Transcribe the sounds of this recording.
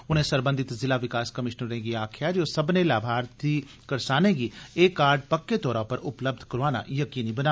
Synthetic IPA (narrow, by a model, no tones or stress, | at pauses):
ʊn̤ẽːsəɾbə̃nd̪ɪt̪zɪlaːʋɪkaːskəmɪʃnəɾẽːɡiaːkʰjaːd͡ʒoːsəbnẽːlaːbʱaːɾt̪ʰiː | kəɾsaːnẽːɡiːeːkaːɾɖ̚pəkːeːt̪ɔːɾãːpəɾʊpləb̚d̪ʱkəɾoaːna̰ːjəkiːniːbənaː